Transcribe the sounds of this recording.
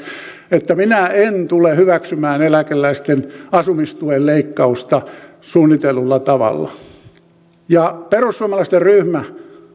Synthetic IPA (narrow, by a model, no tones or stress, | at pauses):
et̪ːæminæent̪ulehyʋæksymæːnelækelːˑæist̪enɑsumist̪uolleikːɑust̪ɑ | suːnːit̪elːulːɑt̪ɑʋɑ̰lːɑ̰ | jɑperusːuɑmɑlɑist̪erryhmæ